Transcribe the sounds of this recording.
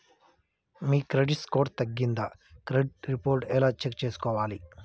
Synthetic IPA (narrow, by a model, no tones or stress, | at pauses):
miːkɾeɖiʈskoːɾt̪ɐɡːind̪ɐkɾeɖɾipoːɾʈɛlaːt͡ʃek̚t͡ʃe̞ːsu̥kɔːʋaːli